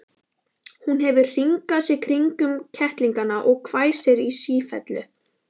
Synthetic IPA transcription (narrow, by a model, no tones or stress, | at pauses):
hunɦɛvʏr̥iŋkaðsjɛkʰɾiŋkʏmcʰɛht̪liŋkanaʔɔɣkʰvaːjsɛɾisiːfɛ̰t̪lʏ